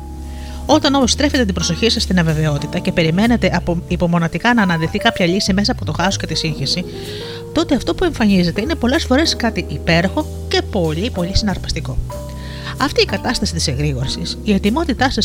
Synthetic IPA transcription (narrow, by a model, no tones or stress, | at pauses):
o̞t̪ɐno̞mo̞st̪ɾefe̞t̪et̪ibɾo̞so̞çisɐst̪inɐve̞ve̞o̞t̪it̪ɐce̞pe̞ɾime̞ne̞t̪e̞ʔipo̞mo̞nɐt̪ikɐnɐːnɐnðiθikɐpçɐʎisime̞sɐːpo̞t̪o̞xɐso̥ce̞t̪isiɲçisi | t̪o̞t̪e̞ɐft̪o̞pue̞ɱfɐnize̞t̪e̞ine̞po̞lesfo̞ɾe̞skɐt̪iʔipe̞ɾoxo̞ | ce̞po̞ʎipo̞ʎisinɐɾpɐst̪iko̞ | ɐft̪iːkɐt̪ɐst̪ɐsit̪i̥seŋɣɾiɣo̞ɾisisie̞t̪imo̞t̪it̪ɐsɐ